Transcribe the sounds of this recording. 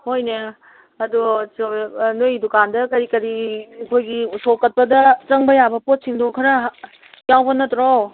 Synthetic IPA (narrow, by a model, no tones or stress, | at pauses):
hojne | ɐdusnojdukandɐkɐɾikɐɾikʰojɡiusokɐt̚pɐdɐt͡ʃɐŋbɐjabɐpot̚siŋdokʰɐɾɐ | jawbɐnɐtɾɔw